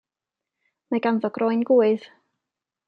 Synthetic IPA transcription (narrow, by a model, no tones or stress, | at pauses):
maɡanðɔɡrɔɨnɡuːɨð̥